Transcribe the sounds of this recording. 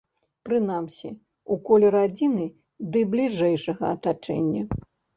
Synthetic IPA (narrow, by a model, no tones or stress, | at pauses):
pɾɨnamsʲi | ukɔlʲɛɾad͡zʲinɨ | d̪ɨblʲiʐɛjʂɐɣɐ̰ɐt̪at͡ʂɛ̰nʲːɐ